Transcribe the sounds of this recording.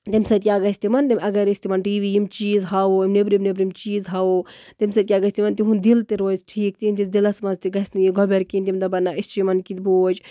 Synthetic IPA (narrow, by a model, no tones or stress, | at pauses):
t̪imsɐt̪̚ʲkʲaːɡɐsʲt̪imɐnd̪imʲɐɡɐɾisʲt̪imɐnʈiːʋiːjimt͡ʃiːzɦaoimnebɾimnebɾimt͡ʃiːzɦɐot̪imʲsɐd̪̚ʲkʲaːɡɐsʲt̪imɐnt̪iɦund̪ilt̪iɾoːisʈʰiːk̚t̪int̪izd̪ilɐsmɐzt̪iɡɐsʲnijiɡʱɔbeɾkint̪ʲimd̪ɐbɐnːaʔist͡ʃimɐnkit̪boːd͡ʒ